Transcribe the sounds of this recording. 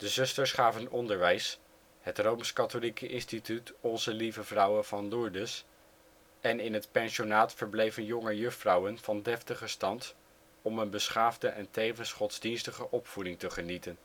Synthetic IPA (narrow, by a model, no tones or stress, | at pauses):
d̥əzɵstəɹsχaːvənɔndəɹʋɛjs | ɦətrowmskɑtolikəʔɪnstitytɔnzəlivəvrʌwəv̥ɑnlʊɹdəs | ɛnɪnɦətpɛnʃonaːtfəɹblejvənjɔŋəjɵχtfrɑwənv̥ɑndɛftəχəstɑnt | ɔmənbəsχaːvdəʔɛntejvənsχɔdzdinstəχəʔɔpfudɪŋtəχənitən